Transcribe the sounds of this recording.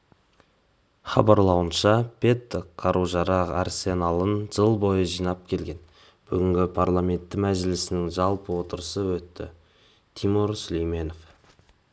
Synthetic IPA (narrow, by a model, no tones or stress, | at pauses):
χɑbɑɾlˠɑwənʃɑpʰe̞t̪ːqʰɑɾʔuʒɑɾɑʁɑ̰rse̞nɑlˠənʒəlˠbo̞jəʒijnɑp̚kʲʰe̞lɡʲe̞n | b̥ʏɡʲɪŋɡʲɪpʰaɾlˠamʲe̞nt̪ːɪmæʒɪlɪsɪnɪŋʒɑlˠpəwo̞t̪əɾəsəwɵt̪ːɪ̰ | t̪ʰimuɾsʏlejme̞no̞f